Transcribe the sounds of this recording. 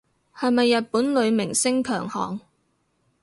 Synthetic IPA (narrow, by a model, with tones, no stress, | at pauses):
hɐ˨jmɐ˨jːɐ˨t̚puː˨˥nlɵ˨˧ɥmɪ˨˩ŋsɪ˥ŋkʰœː˨˩ŋhɔ̰ː˨˩ŋ